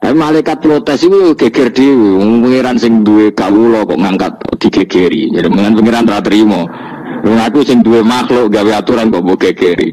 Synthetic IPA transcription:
a̰pimalaikat̪̚plot̪ɛsiwuɡ̥eɡ̥erd̪̥iwiupəŋeɾansɪŋd̪uwekawulɔkɔ̰ʔŋaŋkat̪̚d̪̥i̤ɡ̥eɡ̥eɾḭd͡ʒadiməŋanpəŋeɾant̪ɾat̪əɾimɔ | luŋakusɪŋd̪uwemaxloʔɡaweat̪uɾankɔʔboɡ̥eɡ̥eɾḭ

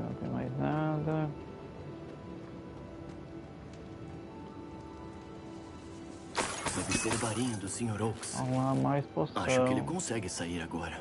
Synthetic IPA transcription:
nɐ̰̃t̪ḛ̃j̃ma̰jznad̪ɐ | vɛvɪseɾvaɾĩɲʊd̪ʊsĩɲoɾowksamajsposaʃʃʊɐ̃kwẽelɪkõsɛɡɪsaiɾaɡɔɾɐ

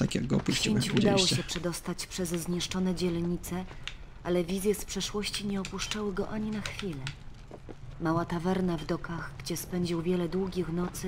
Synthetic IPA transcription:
t̪akʲja̰ɡɡɔɔ̰puʃiɲt͡ɕud̪awɔɕɛpʂɛd̪ɔst̪at͡ɕpʂɛzzɲɛʂt͡ʂɔnɛd͡ʑɛlɲit̪sɛ | ʔalɛvʲizʲjɛspʂɛʂwɔɕt͡ɕiɲɛɔpuʂt͡ʂawɘɡɔʔaɲinaxfʲilɛ | mawat̪avɛɾnavd̪ɔkaɣɡd͡ʑɛspɛɲd͡ʑiwvʲjɛlɛd̪wuɡʲixnɔt̪sɘ

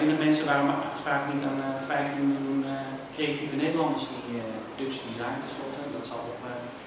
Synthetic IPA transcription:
sindɔtmɛnsəʋaːromtfaːknitanfɛjftinmɪlˠjunkreativəneːdəlˠɔndəsnitɪəodøk̚sdizajntəslɔtədɔtsalˠtokɛ

